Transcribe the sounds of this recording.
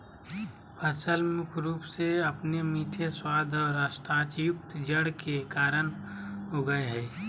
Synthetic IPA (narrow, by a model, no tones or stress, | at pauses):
pʰɐsəlmʊkʰɾuːpseɐpnemiːʈʰeswaːd̪ʱɔːɾaʃʈɾaːt͡ʃjʊk̚t̪d͡ʒəɽkekaːɾəñ | ɦoːɡəeɦɛː